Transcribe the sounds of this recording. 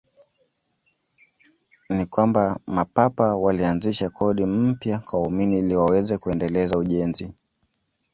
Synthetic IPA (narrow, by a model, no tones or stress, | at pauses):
nikwambamapapawalianziʃakʰɔɗim̩pjakwauminiliwawɛzɛkuɛndɛlɛzauʄɛnzi